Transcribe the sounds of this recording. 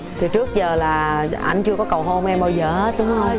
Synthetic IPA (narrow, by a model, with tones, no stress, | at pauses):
t̪ʰi˨˩t͡ɕɨ˦˥ək̚zəː˨˩laː˨˩ʔa̰˧jŋ̟t͡ɕɨ˧əkɔ˨˦kə˨˩wɦo˧mʔɛ˧mɓaː˧wzəː˨˩e˦˥t̪̚ɗʊ˨˦ŋ͡mho˧ŋ͡m